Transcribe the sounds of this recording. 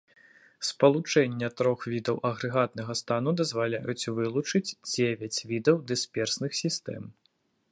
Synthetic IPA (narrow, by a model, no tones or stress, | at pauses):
spɐlˠut͡ʂɛnʲːɐt̪ɾɔxvʲid̪ɐwʔɐɣɾɛɣat̪nɐɣɐst̪anud̪ɐzvalʲajut͡sʲvɨlˠut͡ʂɨt͡sʲd͡zʲevʲɐt͡sʲvʲid̪ɐwd̪ɨspʲɛrsnɨxsʲist̪ɛ̰m